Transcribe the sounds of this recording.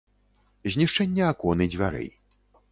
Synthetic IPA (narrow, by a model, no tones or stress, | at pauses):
zʲnʲiʂt͡ʂɛnʲːɐakɔnɨd͡zʲvʲaɾɛ̰j